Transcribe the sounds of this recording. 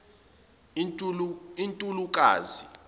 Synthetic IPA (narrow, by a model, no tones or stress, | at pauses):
intʼuluk̬ʼa̰ːzi